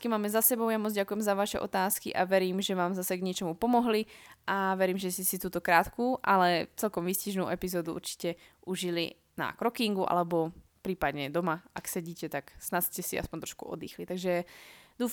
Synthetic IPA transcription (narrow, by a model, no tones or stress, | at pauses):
kimaːmɛzasɛbɔʊjamɔd͡zɟakujɛmzaʋaʃɛ̰ʔɔ̰t̪aːskḭʔa̰ʋɛɾiːmʒɛʋaːmzasɛɡɲɪɛt͡ʃɔmupɔmɔɦliʔaʋɛɾiːmʒɛscɛsit̪uːt̪ɔkɾaːt̪kuːʔalɛt͡sɛlkɔmʋisciʒnṵːʔɛpizɔːd̪uʔṵɾt͡ʃi̥cɛʔuʒilḭ | na̰kɾɔkiŋɡuʔa̰lɛbɔ | pɾiːpad̪ɲɛd̪ɔmaa̰ksɛɟiːcɛt̪aksnascɛsia̰spɔnʲt̪ɾɔ̥ʃkuɔ̰d̪ḭːxlit̪aɡʒɛd̪uːf